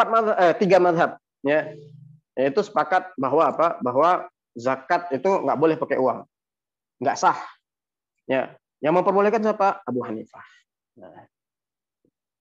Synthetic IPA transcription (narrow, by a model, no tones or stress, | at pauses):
pat̪̚maðaʔət̪iɡamaðɦap̚ | ja | jait̪usə̥pakat̪̚baɦwaːpabaɦwa | zakat̪̚it̪uŋɡa̰ʔbolɛhpakeʔuaŋ | ɡaʔsah | ja̰ | jaŋməmpərbolɛhkansapaːbuɦanifah | na